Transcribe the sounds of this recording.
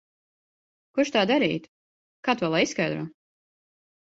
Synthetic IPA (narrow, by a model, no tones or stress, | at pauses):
kuʃt̪aːd̪aɾḭːt̪ | kaːt̪uɔlˠajiskajd̪ɾuː